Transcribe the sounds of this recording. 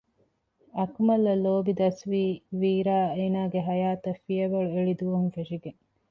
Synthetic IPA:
ɐkmɐlːɐloːbid̪ɐsʋiːʋiːɾaːeːnaːɡeɦɐjaːt̪ɐfiɐʋɐɭueɭid̪uʋɐɦunfeʃiɡeŋ

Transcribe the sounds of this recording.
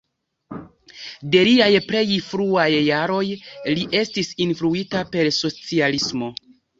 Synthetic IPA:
de̞liajple̞jfɾuajːaɾo̞jliʔe̞stisinfɾuitape̞ɾso̞t͡sialismo̞

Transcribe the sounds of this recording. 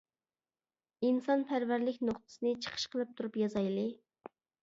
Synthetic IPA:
insɑnpʰæɾvæɾlɪkʲnoχt̪ʰɨ̥sɨnɨt͡ʃʰə̥qʰə̥ʃqʰəlˠɨp̚t̪ʰuɾupjɑzɑjlˠɨ

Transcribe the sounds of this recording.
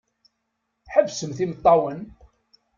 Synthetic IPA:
ħəbːsəmθimət̪ˤːɑwən

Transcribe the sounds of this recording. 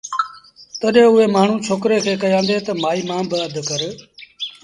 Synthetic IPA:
t̪əɗɦẽːʊɦeːmaːɳ̤ũːt͡ʃʰoːkɾeːkʰeːkəjãːnd̪eːt̪əmaːiːmãːbəəd̪ʱkəɾ

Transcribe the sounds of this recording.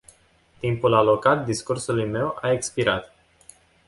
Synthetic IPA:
t̪impulalo̞kat̪̚d̪iskursulujme̞waekspiɾat̪

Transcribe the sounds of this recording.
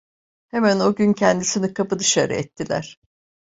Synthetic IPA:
hemæno̞ɟyncʰɛnd̪isinikʰapɯd̪ɯʃa̰ɾɯ̰ɛt̪ʰːilʲæ̰ɾ̥

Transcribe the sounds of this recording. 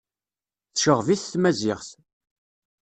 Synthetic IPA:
θʃəʁviθθmæzɪʁθ

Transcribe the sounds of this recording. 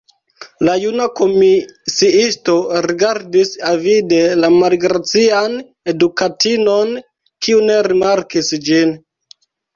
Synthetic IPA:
lajunako̞misiisto̞ɾiɡaɾdisavidelamalɡɾat͡sian | e̞dukatino̞n | kiune̞ɾimaɾkisd͡ʒin

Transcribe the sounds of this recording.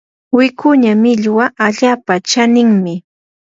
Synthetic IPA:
wɪkʰʊɲamɪʎwaʔaʎaːpat͡ʃanɪŋmɪ

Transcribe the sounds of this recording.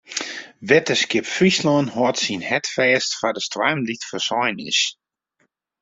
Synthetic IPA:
ʋɛtəskɪpfrislɔənhɔətsinhɛtfɛːstfadəstwajmditfərsɔjnɪ̰s

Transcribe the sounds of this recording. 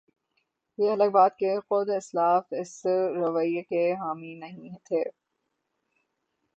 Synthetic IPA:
jeɐləɡ̚baːd̪̚kexʊd̪ɪslaːfɪsɾɐʋəiekeɦaːminɐɦĩɦɛt̪ʰeː

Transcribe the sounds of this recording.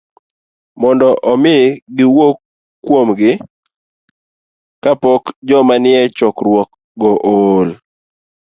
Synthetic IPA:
mɔndɔʔɔmɪɡɪwokː | womɡɪ | kapɔkd͡ʒɔmanɪɛt͡ʃɔkɾwɔk | ɡɔʔol

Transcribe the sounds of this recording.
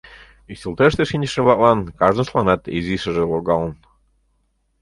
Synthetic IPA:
isʲəlˠt̪eʃt̪eʃinʲt͡ɕəʃĕβlˠɑk̚lɑnkɑʒnɤʃlˠɑnɑt̪iziʃə̆ʒĕloɣɑlən

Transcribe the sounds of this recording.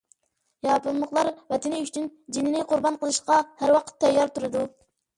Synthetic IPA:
jɑpɨlˠməχlˠɑɾvɛt̪ʰɪnɪyt͡ʃʰynd͡ʒinɪnɪqʰʊɾbɑnqʰəlˠɨʃqɑhæɾwɑqʰə̥t̪ʰːɛjːɑɾt̪uɾɨd̪u

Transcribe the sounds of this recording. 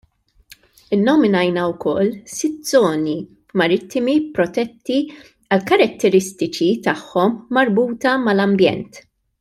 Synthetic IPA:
ɪnːɔmɪnɐjnɐwkɔ̰lːsɪt̪̚zɔːni | mɐɾɪt̪ːɪmipɾɔt̪ɛt̪ːi | ɐlkɐɾɐt̪ːɛɾɪst̪ɪt͡ʃit̪ɐħːɔmːɐɾbuːt̪ɐmɐlɐmbjɛ̰nt̪

